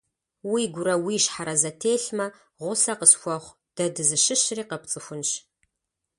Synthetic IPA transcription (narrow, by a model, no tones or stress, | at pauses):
wiɡʷʊɾɐwiːʃħaɾɐzɐtʰeːɬmɐ | ʁʷʊsɐqəsxʷɔχʷ | d̥ɐdɨzɨʃɨɕriːqɐpt͡sʼɨxʷʊnɕ